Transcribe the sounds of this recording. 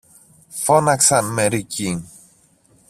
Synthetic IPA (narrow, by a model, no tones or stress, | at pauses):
fonaksɐnmeɾiciŋ